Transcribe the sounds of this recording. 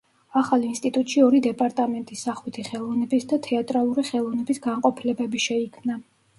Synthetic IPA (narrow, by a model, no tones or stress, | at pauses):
aχalˠinst̪ʼit̪ʼut̪ʼʃiɔɾid̪ɛpʼaɾt̪ʼamɛnt̪ʼisːaχwit̪ʰiχɛlˠɔvnɛbisd̪at̪ʰɛat̪ʼɾalˠuɾiχɛlˠɔvnɛbisɡaɴqʼɔpʰilɛbɛbiʃɛikʰmna